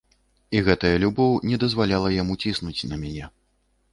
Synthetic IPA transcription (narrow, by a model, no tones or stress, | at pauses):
iɣɛt̪ɐjɐlʲubɔwnʲɛd̪ɐzvalʲalˠɐjamut͡sʲisnut͡sʲnɐmʲanʲɛ